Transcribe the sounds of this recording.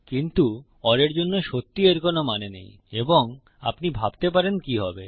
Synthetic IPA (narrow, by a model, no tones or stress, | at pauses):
kint̪u | ɔɾeɾd͡ʑonːoʃot̪ːieɾkonomanenḛj | eboŋ | a̰pnibʱabt̪ep̬aɾenkiɦɔbe